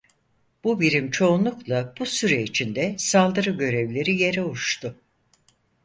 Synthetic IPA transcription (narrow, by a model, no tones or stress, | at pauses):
b̥ubiɾimt͡ʃʰo̞unlˠuklˠab̥usyɾɛit͡ʃʰind̪ɛsalˠd̪ɯɾɯɟø̞ɾɛvlʲe̞ɾije̞ɾɛuʃt̪ʰʊ